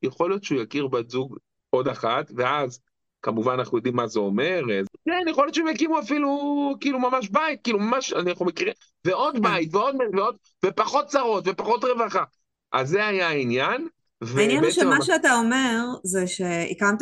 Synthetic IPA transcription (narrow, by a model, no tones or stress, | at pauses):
jeχo̞ljo̞t̪t͡ʃeujakiʁbazuɡ | o̞daχatve̞az | kamuvananaχnujo̞d̪imːazeo̞me̞ʁezkennjeχo̞ljot͡ʃemjakimuafilukiːlumamaʃ̬bait̪̚kiːlumamaʃanaaχnumekiʁi | veo̞d̪bait̪veo̞d̪̚metveo̞d̪ | vepaχo̞t̚t͡saʁo̞t̪ve̞paχo̞tʁe̞vaχa | ʔazːeajainjan | vveinjanʃmaʃeataomeʁzeʃeḭkamt̪